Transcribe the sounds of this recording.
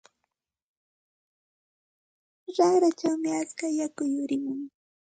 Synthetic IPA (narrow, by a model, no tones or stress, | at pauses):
ɾaχɾat͡ʃawmɪat͡skajakʊjʊɾɪmʊŋ